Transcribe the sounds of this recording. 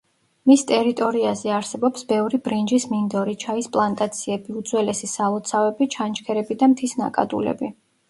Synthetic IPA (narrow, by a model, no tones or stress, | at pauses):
mist̪ʼɛɾit̪ʼɔɾiazɛaɾsɛbɔpsbɛvɾibɾind͡ʒismind̪ɔɾit͡ʃʰaispʼlˠant̪ʼat̪sʰiɛbiud̪zwɛlɛsisalˠɔt̪sʰavɛbit͡ʃʰant͡ʃʰkʰɛɾɛbid̪amt̪ʰisna̰kʼa̰d̪ulɛ̰bi